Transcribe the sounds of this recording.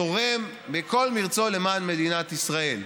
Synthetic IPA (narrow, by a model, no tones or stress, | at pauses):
oʁem | beko̞lmiʁt͡so̞lemanme̞d̪inat̪isʁae̞l